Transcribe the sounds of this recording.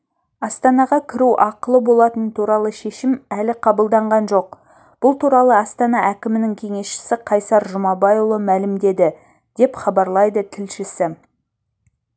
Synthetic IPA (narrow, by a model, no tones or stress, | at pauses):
ɑst̪ɑnɑʁɑkʲʰɪɾuwʔɑqəlˠəbo̞lˠɑt̪ənt̪ʰuɾɑlˠəʃe̞ʃɪmælɪqʰɑbəlˠd̪ɑɴʁɑnʒo̞q̚ | b̥ʊlˠt̪ʰuɾɑlˠəɑst̪ɑnɑʔækʲɪmɪnɪŋkʲʰe̞ŋe̞sʃɪ̥sɪqʰɑjsɑɾʒʊmɑbɑjulˠəmælɪmd̪e̞d̪ɪ | d̪̥e̞pχɑbɑɾlˠɑjd̪ət̪ʰɪlʃɪsɪ